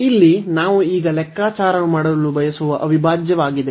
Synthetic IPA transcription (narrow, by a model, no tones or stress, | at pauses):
ilːinaːʋuiːɡɐlɛkːaːt͡ʃaːɾɐnumaːɽɐlːubʱɐjɐsuʋɐʔɐʋibʱaːd͡ʒjɐʋaːɡid̪e